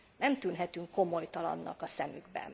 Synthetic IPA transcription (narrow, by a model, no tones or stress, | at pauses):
nɛmt̪ynɦɛt̪yŋkːo̞mo̞jt̪ɒlɒ̰nːɒkɒsɛmyɡbɛ̰n